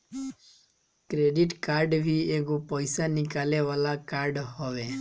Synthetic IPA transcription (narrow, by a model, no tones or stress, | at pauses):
kɾeɖiʈkaɾɖbʱieɡopɔjsanikaleʋalakaɾɖɦɔʋe